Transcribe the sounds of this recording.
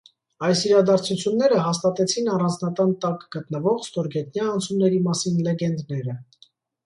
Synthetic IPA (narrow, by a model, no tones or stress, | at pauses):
ɑjsiɾɑd̪ɑɾt͡sʰut͡sʰjunːɛɾəɦɑst̪ɑt̪ɛt͡sʰinɑrɑnd͡znɑt̪ɑnt̪ɑkɡ̥ət̪nəvɔʁst̪ɔɾɡɛt̪njɑːnt͡sʰumnɛɾimɑsinlɛɡɛnd̪nɛɾə